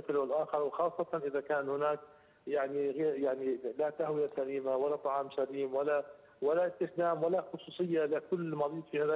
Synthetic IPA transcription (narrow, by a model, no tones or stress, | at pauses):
ɪfɪlwɪlʔaːxɑɾˤwɪxɑːsˤːɑt̪ɑnʔɪðakaːnhʊnaːk̚ | jaʕniɣeːɾjaʕnilat̪ahwɪjasaɾiːmawalat̪ˤɑʕɑːmsaɾiːmwala | walaʔɪst̪ɪxd̪aːmwalaxʊsˤuːsˤɨjːalɪkʊlːmɑɾˤiːt̪fihaːða